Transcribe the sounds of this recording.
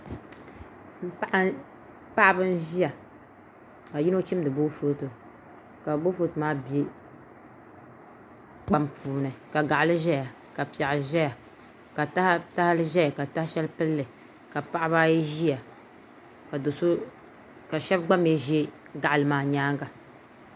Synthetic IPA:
m̩˦pa˦ʔa˦ | pa˦ʔa˦bɨ˦n˦ʒi˦ja˨ | a˨ji˦no˦t͡ʃi˦mdɨ˨bo˦fu˦to˨ | ka˨bo˦fu˦ɾtɨ˨maː˦bi˨e˦ | ɡ͡ba˦mpuː˨nɨ˨ka˨ɡa˨ʔa˨lɨ˦ʒɛ˦ja˨ | ka˨pi˨a˨ʔʒɛ˦ja˨ | ka˨ta˦hta˦hlɨ˦ʒɛ˦ja˨ka˨ta˦hʃɛ˦lpɨ˦lːɨ˨ | ka˨pa˦ʔa˦baː˦ji˦ʒi˦ja˨ | ka˨do˨so˦ | ka˨ʃɛ˦b̚ɡ͡ba˦m˦e˦ʒi˦e˦ | ɡa˨ʔlɨ˨maː˨ɲaː˦ŋɡa˨

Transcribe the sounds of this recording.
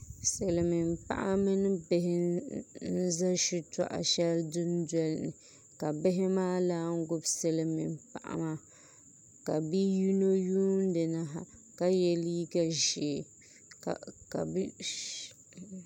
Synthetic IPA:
se˨lɨ˨mɨ˨mpa̰˦˨ʔa˦mɨ˦nɨ˦bɪ˦ɦɪ˦n̩˦za˦ʃu˦ta̰˨ʔa̰˨ʃɛ˦ldʊ˦ndɛ˦lnɨ˨ | ka˨bɪ˦ɦɪ˦maː˦laː˦ŋ̩˦ɡʊ˦bsɛ˨lɨ˨mḭ˨mpa̰˨ʔa̰˦ma˦ | ka˨bi˦ju˦no˦juː˦n˦dɨ˨na˨ɦa̰˨ka˦jɛ˨li˦ɡa˨ʒɪ˨ | kka˨˦

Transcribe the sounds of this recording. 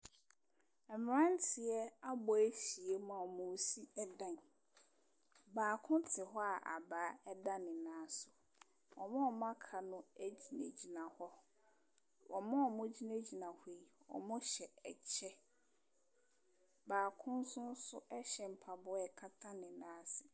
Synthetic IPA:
ɛ˨m˨ɾã˦n˦tʰɪ˨ɛ˦a˦bɔ˨æ˦fi˨e˦mã˨ɔ˨mʊ̃˨˦si˦ɛ˦dã˨n | baː˨kʰʊ̃˦ntʰɪ˨ɦɔ˦a˨ʔa̰˨baː˨˦ɛ˦dã˦nɪ̃˨nãː˨˦sʊ˨ | wɔ˨mã˦ɔ˨mã˦kʰa˨nʊ̃˦æ˦d͡ʑi˨nḛ˨d͡ʑi˨nã˨hɔ˦ | wɔ˨mã˦ɔ˨mʊ̃˦d͡ʑi˦ne˦d͡ʑi˨nã˨he˦i˨wɔ̰˨mʊ̃˦ɕɛ˨ɛ˨t͡ɕʰɛ˦ | baː˨kʰʊ̃˦n̩˦sʊ̃˦n̩˦sʊ˦ʔɛ˦ɕɛ˨m̩˨pʰa˨bʊ˦ɛ˨kʰa˦tʰã˦nɪ̃˨nãː˦sɪ˨

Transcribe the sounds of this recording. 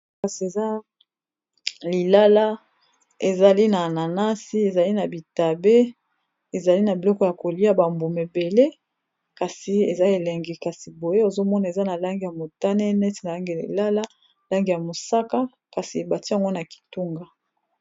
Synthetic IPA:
ka˨si˨e˨za˦ | li˨la˦la˦ | e˨za˨li˦na˨na˨na˦si˦e˨za˨li˦na˨bi˨ta˨be˦ | e˨za˨li˦na˨bi˨lɔ˦kɔ˦ja˨ko˨li˦a˦ba˨mbu˨me˨be˨le˦ | ka˨si˨e˨za˦e˨lɛ˨ŋɡi˨ka˨si˨bo˨je˦o˨zo˦mɔ˦na˨e˨za˦na˨la˦ŋɡi˨ja˨mo˨ta˦ne˦nɛ˦ti˨na˨la˦ŋɡi˨ḭ˨la˦la˦ | la˦ŋɡi˨ja˨mo˨sa˦ka˦ | ka˨si˨ba˨ti˦a˨ŋɡo˦na˨ki̥˨tu˦ŋɡa˦

